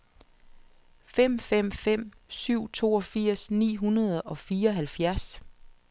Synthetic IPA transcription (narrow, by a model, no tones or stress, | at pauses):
fem̰fem̰fem̰ | syʊ̰t͡sʰo̝ːɒ̽fiɐ̰snḭːɦunɐðˠɒ̽fiːɐɒɦælfjæɐs